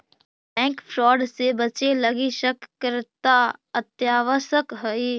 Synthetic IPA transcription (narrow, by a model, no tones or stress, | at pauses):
pɛ̃ːkfʰɾɔːɖsebət͡ʃeləɡiʃəkɾt̪aət̪jaːʋəsəkɦəi